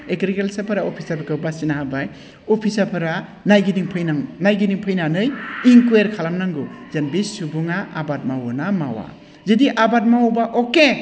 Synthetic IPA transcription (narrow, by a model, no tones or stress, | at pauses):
ekɾikelsapʰɯɾaopʰisapɯkʰɯwbasinaɦabaj | opʰisapʰɯɾanajɡidiŋpʰɯjnaŋnajɡidiŋpʰɯjnanɯjiŋkueɾkʰalamnaŋɡɯzenbisubuŋaʔːbat̚mawunama̰wa̰ | zɯdiʔabat̚mawbaʔoke